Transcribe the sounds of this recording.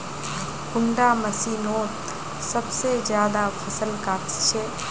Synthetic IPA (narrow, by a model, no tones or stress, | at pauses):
kʊɳɖaməsinoːt̪ | səbsed͡ʒjaːd̪apʰəsəlkaːt̪t͡ʃʰe